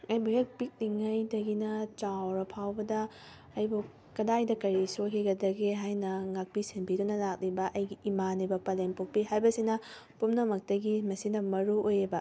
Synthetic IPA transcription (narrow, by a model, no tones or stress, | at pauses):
ɐjbuɦek̚pik̚liŋɐjdɐɡinɐt͡ʃawɾɐpʰawbɐdɐː | jbu | kɐdajdɐkɐɾisokʰiɡɐdɐɡeɦajnɐŋak̚pisenbidunɐlak̚libɐʔɐjɡiimanibɐpɐlenpok̚piɦajbɐsinɐ | pumnɐmɐk̚tɐɡimɐsinɐmɐɾuojebɐ